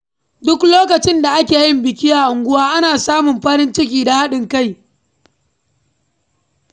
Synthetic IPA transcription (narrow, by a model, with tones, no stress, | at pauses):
dʊ˦kloː˦kɐ˨t͡ʃɪ˦nda˨ʔa˦kʲeː˨jɪ˦mbɪ˨kʲi˦ʔa˨ʔʊ˨ŋɡʷʊ˦waː˦ʔa˦naː˨saː˦mʊ˨mɸɐ˦ɾɪ˦nt͡ʃɪ˦k̬ʲiː˦˨da˨ha˦ɗɪ˨ŋka˦˨j